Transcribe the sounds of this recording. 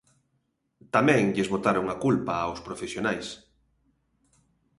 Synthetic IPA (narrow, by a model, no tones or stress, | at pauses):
t̪amɛ̃ŋʎɪzβot̪aɾoŋakulpaːwspɾofesjonajs